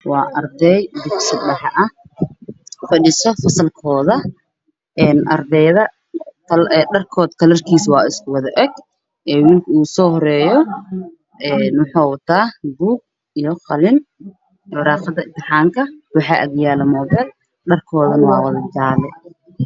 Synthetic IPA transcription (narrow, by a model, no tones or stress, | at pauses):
wɑːʔɐrd̪ɛjd̪ɪksɪbɗɐħɐʔɐ | fɐɗɪsɔfɐsɐlkʰɔːðɐ | ʔɛːnʔɐ̰rd̪ɛjðɐ | tʰɐlːɖɐrkʰɔːd̪k̪ʰɐlɐrkʰiːswɑːɪskʰʊwɐðɐʔɛɡ | ʔɛːwiːlkʰɐuːsɔːhɔɾɛːjɔ | ʔɛːnwʊħɑːwɐt̪ʰaːbuːɡ̚ | ijɔχɐlɪn | ɔrɑːqɐd̪ɐɪnt̪ʰɪħaːŋkʰɐwɑħɑːʔɐ̰ɣjaːlɐmɔːðɛːn | ɖɐrkʰɔːðɐnɐwɑːwɐðɐd͡ʒaːlɛ